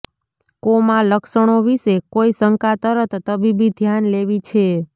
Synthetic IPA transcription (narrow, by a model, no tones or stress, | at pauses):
komãləkʃəɽ̃oʋiʃekoisəŋkat̪əɾət̪ːəbibid̪ʱjanleʋit͡ʃʰe